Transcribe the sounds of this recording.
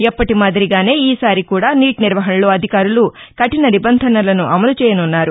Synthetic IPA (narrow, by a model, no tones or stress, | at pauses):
ɛpːɐʈimaːd̪ɐɾiɡaːne̞ːiːsaːɾikuːɽaːniːʈniɾʋɐɦɐnɐlo̞ːɐd̪ʱikaːɾulukɐʈinɐnibɐnd̪ʱɐnɐlɐnuʔɐmɐlut͡ʃɛːjɐnunːaːɾu